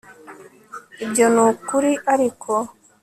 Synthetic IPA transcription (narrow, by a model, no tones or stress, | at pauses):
iɟonukuɾiʔaɾikʰo